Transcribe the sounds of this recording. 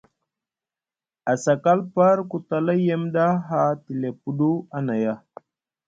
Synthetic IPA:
a˨sa˨ka˦lpa˦ɾku˨ta˨la˦je˦mda˦ɦa˦ti˨le˨pu˦du˦a˦na˨ja˦

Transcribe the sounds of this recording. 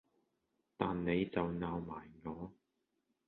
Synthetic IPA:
t̪aː˨nne˨˧jt͡sɐ˨wnaː˨˧wmaː˨˩jŋɔː˨˧

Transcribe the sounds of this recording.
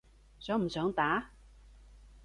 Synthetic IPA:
sœː˨˥ŋm̩˨˩sœː˨˥ŋt̪aː˨˥

